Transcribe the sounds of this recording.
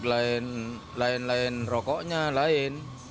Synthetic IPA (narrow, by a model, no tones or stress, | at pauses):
lan | laenlaenrɔkɔʔɲaːlaen